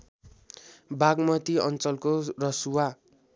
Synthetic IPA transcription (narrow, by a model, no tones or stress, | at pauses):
baɡmʌt̪iʌ̰nt͡sʌlkorʌsuwa